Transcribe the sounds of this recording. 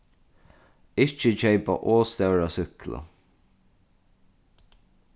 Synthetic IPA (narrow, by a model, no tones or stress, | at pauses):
ɪt͡ʃət͡ʃɛɪpa̰ʔoːst̪ɛʊɾasʏklə̰